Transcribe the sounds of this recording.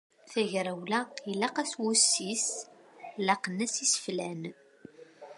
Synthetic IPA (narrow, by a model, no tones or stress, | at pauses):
θæʝɾæwlæilːæqæswusːis | læqnːæsisə̥flæn